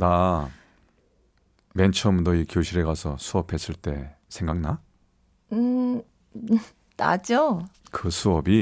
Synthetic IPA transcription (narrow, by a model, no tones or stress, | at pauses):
na | me̞nt͡ɕʰʌmdʌikjoɕʰiɾe̞ɡasʰʌsʰuʌpʰe̞s͈ɯɭt͈e̞sʰeŋɡaŋna | ɯ | ta̰d͡ʑokɯsʰuʌbi